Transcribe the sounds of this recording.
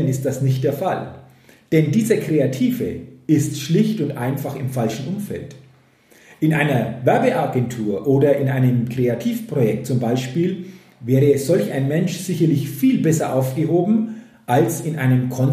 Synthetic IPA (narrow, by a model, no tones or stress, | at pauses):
nɪst̚d̥asnɪçt̚d̥eːɐfal | d̥ɛndiːzəkʁ̥eatʰiːvə̰ɪstʃlɪçtʊntʔaɪnfaχɪmfalʃn̩ʔʊmfɛ̰lt | ʔɪnʔaɪnɐvɛɐbəʔaɡɛntʰuːɐʔoːdɐʔɪnʔaɪnəmkʁ̥eatʰiːfpʁ̥ojɛk̚t̚t͡sʊmbaɪʃpiːl | vɛːʁəz̥ɔlçaɪnmɛnʃz̥ɪçɐlɪçfiːlbɛsɐʔaʊfɡ̥əɦoːbm̩ | ʔalsɪnʔa̰ɪnəmkʰɔn